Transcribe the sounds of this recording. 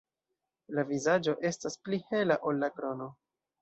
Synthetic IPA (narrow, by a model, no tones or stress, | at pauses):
lavizad͡ʒo̞ʔe̞stasplihe̞laʔo̞lːakɾo̞no̞